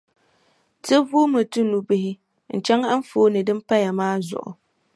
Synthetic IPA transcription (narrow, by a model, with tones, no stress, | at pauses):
tɨ˦vuː˦mɨ˨tu˦nu˨bɪ˦hɪ˦ | n̩˨t͡ʃɛ˦ŋa˦m̩˦foː˦nɨ˨dɨ˦m˦pa˦ja˨maː˦zʊ̰˨ʔʊ̰˨